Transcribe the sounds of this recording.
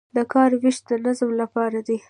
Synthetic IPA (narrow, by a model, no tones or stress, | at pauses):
d̪əkɑɾwɪʃt̪̚d̪ənazmlapɑɾad̪i